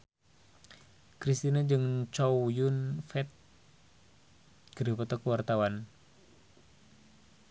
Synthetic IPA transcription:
kɾist̪inad͡ʒɨŋt͡ʃɔjunfɛt̪̚ | ɡ̥əɾəpɔt̪ɔkəwart̪awan

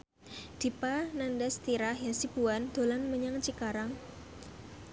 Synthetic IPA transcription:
d̪̥i̤panandast̪iɾahjasib̥uand̪̥o̤lanməɲaŋt͡ʃikaɾaŋ

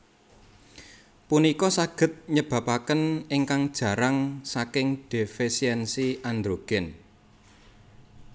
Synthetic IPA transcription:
punikɔsaɡ̥ə̤t̪̚ɲəb̥ä̤pakənɪŋkaŋd̥ʒ̥ä̤ɾaŋsakɪŋd̥e̤fisiɛnsiʔand̪ɾoɡ̥ɛ̤n

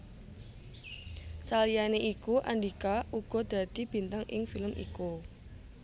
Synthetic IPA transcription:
salijaneʔikuʔaɳɖikaʔuɡ̥ɔ̤d̪̥ä̤t̪ib̥i̤nt̪aŋʔɪ̰ŋfiləmʔḭku

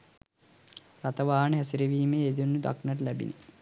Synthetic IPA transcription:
rat̪ɐʋaːnəɦæsiɾeʋiːmeːed̪unːud̪a̰knɐʈ̬əlæbḭnʔi

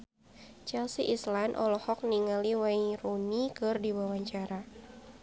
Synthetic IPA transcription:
t͡ʃɛlsiʔislanʔɔ̰lɔhɔk̚niŋaliwairunikɨrdiwawaɲt͡ʃaɾa

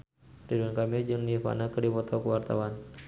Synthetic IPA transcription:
riduankamid͡ʒəŋnifa̰nakədipɔt̪ʰakəwart̪a̰wan

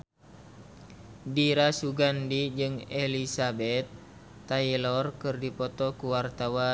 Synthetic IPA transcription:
diɾasuɡandid͡ʒɨŋelisabɛt̪ː | ailɔrkɨrdipɔt̪ɔkuwart̪awa

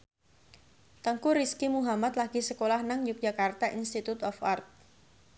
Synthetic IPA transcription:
t̪əŋkuɾiskimuɦamat̪laɡ̥isəkolahnaŋjʊk̚d͡ʒakart̪aʔinst̪it̪ut̪ɔfart̪̚

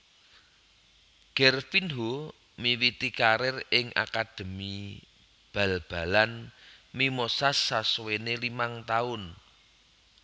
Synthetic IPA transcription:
ɡ̥ɛrfinɦo | miwit̪ikaɾɪrɪŋʔa̰kad̪̥ə̤mi | b̥ä̤lb̥a̤lanmimosasːaswenelimaŋt̪aʊn

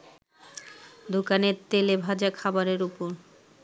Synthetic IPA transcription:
d̪okaneɾt̪elebʱad͡ʑakʰabaɾeɾupoɾ

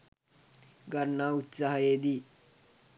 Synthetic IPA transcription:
ɡɐɾnaːut̪saɦɐjeːd̪i

